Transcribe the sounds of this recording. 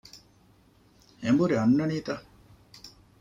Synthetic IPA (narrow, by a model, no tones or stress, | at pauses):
embuɾiɐnːɐniːt̪ɐ